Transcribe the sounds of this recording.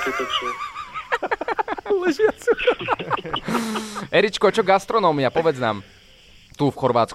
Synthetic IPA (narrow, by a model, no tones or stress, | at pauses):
t̪ | lɛʑɛt̪su | ɛɾit͡ɕkɔt͡ɕɔɡast̪ɾɔnɔmʲjapɔvʲjɛt̪sna̰m | t̪ufxɔɾvat̪sk